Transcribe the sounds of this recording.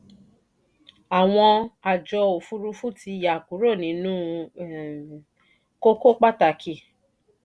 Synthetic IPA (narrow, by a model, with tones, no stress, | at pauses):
a˨w̃ɔ̃˧a˨d͡ʒɔ˧o˨fu˦ɾu˦fu˦˨ti˧˨ja˨ku˨˦ɾo˦˨nĩ˨˦nũː˦ | ko˦ko˦k͡pa˦˨ta˨kʰi˧˨